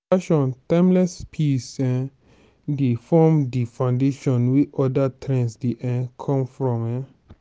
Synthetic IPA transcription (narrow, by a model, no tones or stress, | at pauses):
aʃɔ̃nt̪ãmlɛspʰisɛ̃ | difɔmdifãndeʃɔ̃nwiʔɔdat̪ʰɾɛ̃nsdiʔɛ̃kʰɔ̃mfɾɔ̃mɛ̃